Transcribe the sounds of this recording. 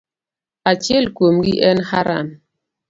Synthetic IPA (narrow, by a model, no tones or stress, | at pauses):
at͡ʃjelkomɡiʔɛnhaɾa̰n